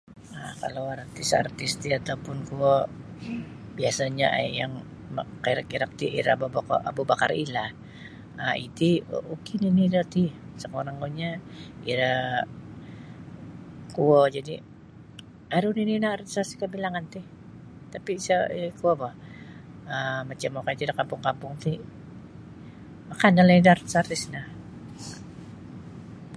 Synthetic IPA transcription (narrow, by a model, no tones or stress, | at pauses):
akalawart̪ɪsa̰rt̪ɪst̪iat̪aupʊnkuɔ | biasaɲaʔa̰jaŋ | kaɾakiɾak̚t̪iʔḭɾaa̰babkʔa̰bubaka̰ɾḭla | aḭt̪ḭukininiɾat̪isəŋoɾaŋkoɲaḭɾa | kuod͡ʒadi | aɾunininahaɾsasi̥kəbilaŋant̪ɪh | t̪apisaikuabah | əmat͡ʃamokait̪iɾakampʊŋkampʊŋt̪ɪ | makanaledarsart̪isnah